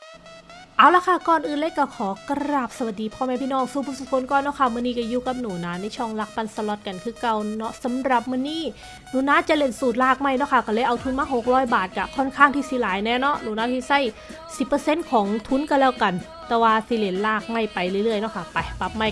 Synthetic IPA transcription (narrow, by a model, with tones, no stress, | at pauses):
ʔa˧˩wlaː˧˥˩kʰa˧˩kɔː˧˨nʔɯː˨˧˨nle˧˥kaː˧˩kʰɔː˨˦ka˧ɾaː˧˨˩p̚sa˧wa˨t̪̚diː˧pʰɔː˧˩mɛː˧pʰiː˧˨nɔː˧˩˨ŋsuː˧˩pʰu˧˩su˨˩kʰo˧˦nkɔː˧˥˨nɔ˧˥˩kʰa˧˩mɯ˧˨niː˧˩ka˧˩juː˧˩ka˧˦p̚nuː˨˦naː˧˥na˧˩˨t͡ɕʰɔ˧˩ŋla˧˦˥k̚pa˧nsa˧lɔ˧˩t̪̚ka˧nkʰɯː˧˩ka˧˩wnɔ˦˥sa˨˦mɾa˨˩p̚mɯ˧˥˨niː˧˥˩ | nuː˨˦naː˧˥t͡ɕa˧˨le˧˩nsuː˨˩t̪̚laː˧˩k̚ma˧˩jnɔ˧˥kʰa˧˥˩ka˧˩lɤː˧jʔa˧wt̪ʰu˧˥nmaː˧˥˨ɦo˨˩k̚ɾɔː˦˥˩jbaː˨˩t̪̚ka˧˩kʰɔ˧˥˩nkʰaː˥˩ŋt̪ʰiː˧˩si˧˦laː˨˦jnɛː˧˥nɔ˦˥ʔnuː˨˦naː˧˥˩t̪ʰiː˧˩sa˧˥˨j | si˨˩pːɤ˧se˧˥˨nkʰɔː˨˦ŋt̪ʰu˦˥˨nka˧˩lɛː˦˥˩wka˧n | t̪ɛː˨˧˩waː˧si˧˦˩le˧˩nlaː˧˩k̚ma˧˩jpa˨jlɯ˧˩˨lɯ˧˩əjnɔ˧˥˩kʰa˧˩pa˨˩jpa˧˩p̚ma˧˩j